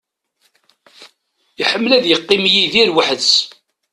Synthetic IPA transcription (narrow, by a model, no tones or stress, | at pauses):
iħəmːlæðjəqːimjiðiɾwəħðs